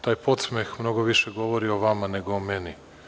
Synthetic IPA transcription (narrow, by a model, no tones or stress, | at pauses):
t̪aːjpo̞t̪smexmno̞ɡoʋiʃeɡo̞ʋoɾioʋamane̞ɡoomeni